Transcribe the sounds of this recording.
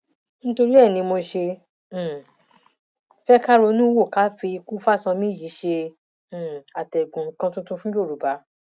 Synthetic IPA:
ñ̩˦to˧ɾi˦ɛ˦˨nĩ˧mo˧ʃẽ˧˨ | fɛ˦ka˦ɾo˧nũ˦wo˦˨ka˦fi˧ku˦fa˦sã˧mĩ˦˨ji˨˦ʃẽ˧˦˨ | a˨tɛ˨ɡũ˨ŋ̩˦kã˧tũ˦tũ˧fũ˦jo˦˨ɾu˨ba˨˦

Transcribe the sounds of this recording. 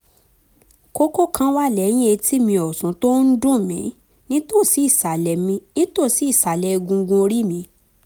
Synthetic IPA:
ko˦ko˦˨kʰã˧˦wa˦˨lɛ˨˦j̃ĩ˦e˧ti˦mĩ˧ɔ˨sũ˨˦to˦n̩˦dũ˦˨mḭ̃˨˦ | nĩ˦to˦˨si˨˦i˦˨sa˨lɛ˨mĩ˧nĩ˦to˦˨si˨˦i˦˨sa˨lɛ˨˧ɡũ˧ɡũ˧o˧ɾi˦mĩ˧

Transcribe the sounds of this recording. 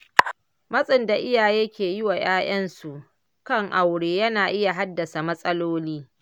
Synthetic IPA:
mɐ˦sʼɪ˨nda˨ʔɪ˦jaː˨jeː˦kʲeː˨jɪ˦wa˨j̰aː˦j̰ɐ˦nsu˨ʔ | kɐ˦˨ŋʔa˨wɽeː˨jɐ˦naː˨ʔɪ˦ja˨ɦa˦dːɐ˨sa˨mɐ˦sʼɐ˦loː˦liː˦

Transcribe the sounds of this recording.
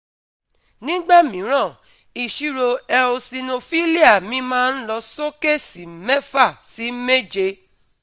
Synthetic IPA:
nĩ˦ɡ͡ba˦mĩ˨˦ɾ̃ã˦˨ | i˨ʃu˦ɾo˧ɛ˧o˧si˧no˧fi˦li˦a˦˨mĩ˧˦mãː˦n̩˦lɔ˧so˦ke˦˨si˨mɛ˦fa˦˨si˨˦me˦d͡ʒe˧˦

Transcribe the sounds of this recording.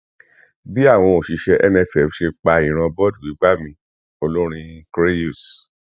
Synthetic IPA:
bi˦a˦˨w̃ɔ̃˧o˨ʃi˧ʃɛ˧ʔɛ˧nɛ̃˧˨fɛ˨˦ʃe˧k͡pa˧i˨ɾ̃ã˧bɔ˦du˨i˨˦ɡ͡ba˦mĩ˧ | o˧lo˦ɾ̃ĩ˧kɾe˦ju˦˨s

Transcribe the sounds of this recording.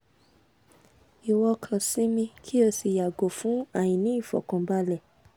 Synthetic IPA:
i˨wɔ˧kʰã˧sĩ˦mĩ˧kʰi˦o˧si˧˨ja˨ɡo˨fũ˨˦a˦˨j̃ĩ˨nĩ˨˦i˦˨fɔ̰˨kɔ̃˧ba˧˦lɛ˦˨

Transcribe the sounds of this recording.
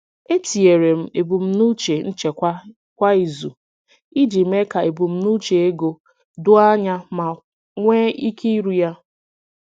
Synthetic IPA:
e˦ti˨e˨ɾe˨m̩˦e˨bu˨m̩˦nu˦t͡ʃe˨n̩˦t͡ʃe˨kʷ | kʷa˦i˨zu˨ | i˦d͡ʒi˨m̩˦e˦ka˨e˨bu˨m̩˦nu˦t͡ʃe˨e˦ɡo˨ | dʊ˦a˦ɲa˦ma˨ | ŋʷe˦i˦kʰi˦i˦ɾu˨ja˦

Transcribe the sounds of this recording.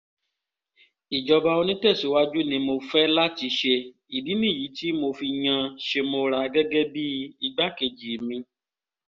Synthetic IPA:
i˨d͡ʒɔ˧ba˧wo˧nĩ˦tɛ˦˨su˨wa˦d͡ʒu˦nĩ˧mo˧fɛ˦la˦t͡ʃi˨˦ʃe˧ | i˨bi˦nĩ˦˨ji˨˦t̪i˦mo˧fi˧ɲã˧ʃe˧mo˧ɾa˨˦ɡɛ˦ɡɛ˦bi˦i˧ɡ͡ba˦ke˨d͡ʒi˨mĩ˧

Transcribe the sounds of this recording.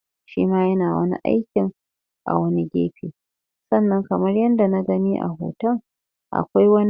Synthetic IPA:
ʃḭː˦maː˦jɐ˦naː˨wɐ̰˦nḭ˦ʔa̰˦jkʲɪ˨ŋ | ʔa̰˨wɐ˦ni˦ɡʲḛː˦ɸiː˨ | sɐ˦˨nːɐ˦ŋkɐ˨mɐ˦rjɐ˦nda˨na˦ɡɐ˦niː˦ʔa̰˨ɦo̰ː˨tɐ˦ŋ | ʔa̰˨kʷa˦jwɐ˦n˦

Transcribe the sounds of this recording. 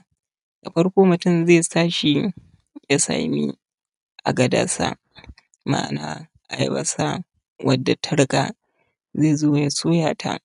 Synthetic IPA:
d̥a˨ɸɐ˦rkʷoː˦mʊ˨tʊ˦˨mzeː˦˨saː˦ʃi˦ | ja˦sa̰ː˨mḭ˦ | ʔa˨ɡɐ˨da̰˦sa̰˦ | ma̰ː˦˨naː˦ | ʔa˨jbɐ̰˦sa˦ | wʔɐ˨dːa˨tʰɐ˦ɽkʼa˨ | zeː˦˨zoː˦a˨ja˦soː˦jaː˨tʰa̰˦

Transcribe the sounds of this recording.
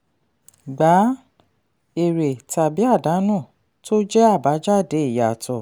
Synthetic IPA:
ɡ͡ba˨˦ | e˨ɾe˨ta˨bi˨˦a˦˨da˨˦nũ˦˨ | to˦d͡ʒɛ˦a˦˨ba˨˦d͡ʒa˦˨de˨˦i˦˨ja˨tɔ˨

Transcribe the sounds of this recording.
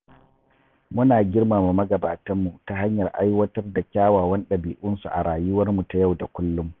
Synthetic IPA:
mʊ˦naː˨ɡʲɪ˦rmaː˨mu˨mɐ˦ɡɐ˨ba̰ː˨tɐ˦mːu˨ta˨ɦa˦ɲjɐ˨rʔa˦jwɐ˦tɐ˦rda˨kʲaː˦waː˨wɐ˦nɗɐ˨biː˨ʔʊ˦nsu˨ʔa̰˨ɽaː˨jʊ˦wɐ˦rmu˨ta˨ja˦˨wda˨kʷʊ˦lːʊ˦m

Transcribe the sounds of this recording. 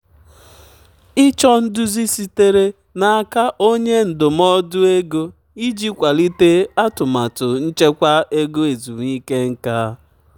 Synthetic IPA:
ɪ˦t͡ʃɔ˦n̩˦dʊ˦zi˦si˦te˦ɾe˦ | na˨a˦ka˦ʔo˦ɲe˦n̩˨dʊ˨mɔ˦dʊ˦e˦ɡo˦ | i˦d͡ʒi˦kʷa˨li˦te˦a˦tʊ˨ma˨tʊ˨n̩˦t͡ʃe˦kʷa˦e˦ɡo˦e˨zu˨ŋi˦ke˦ŋ̩˦ka˦

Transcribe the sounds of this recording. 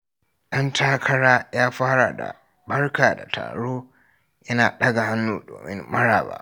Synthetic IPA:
ɗɐ˦ntʰaː˦kʰɐ˦ɽaː˦jaː˦ɸaː˦ɽa˨da̰˨ | bɐ˦rkaː˨da̰˨tʰa̰ː˨ɽoː˦ | jɐ˦naː˨ɗɐ˦ɡa˨ha˦nːuː˨doː˨mɪ̰˦mmɐ˦ɽa̰ː˨ba̰ː˦ʔ

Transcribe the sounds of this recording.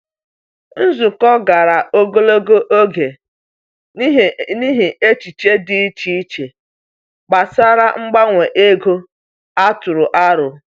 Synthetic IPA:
n̩˦zʊ˨kɔ˦ɡa˨ɾa˨ʔo˦ɡo˦lo˦ɡo˦ʔo˦ɡe˨˦ | ɦni˦ɦi˨e˦t͡ʃi˨t͡ʃe˦dɪ˦i˦t͡ʃi˦t͡ʃe˨ | k͡pa˨sa˦ɾa˦ŋ͡m̩˦ɡ͡ba˦ŋʷe˨ʔe˦ɡo˦ | a˦tʊ˨ɾʊ˨ʔa˦ɾʊ˨

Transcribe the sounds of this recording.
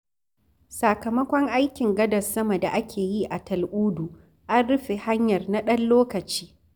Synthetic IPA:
sa˨kɐ˨mɐ˦kʷɔ˦ŋʔa˦jkʲɪ˨ŋɡɐ˦dɐ˨sɐ˦mɐ˨da˨ʔa˦kʲʰeː˨ji˦ʔa˨tɐ˨lʔʷuː˦du˨ | ʔa˦nɽʊ˦ɸe˨ha˦ɲjɐ˨rna˦ɗɐ˦nloː˦kɐ˨t͡ʃi̥ː˦

